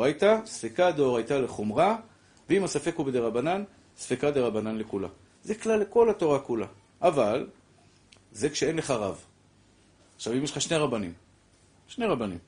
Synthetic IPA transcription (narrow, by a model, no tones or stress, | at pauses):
ajt̪asfekad̪oʁajt̪ale̞χomʁa | veimasafe̞kubed̪eʁabanan | sfekad̪eʁabananlekula̰ | zeklale̞ko̞lat̪o̞ʁakula | ʔaval | zekʃee̞nle̞χaʁav | aχʃavimjelχaʃneʁabanḭm | ʃne̞ʁabanḭm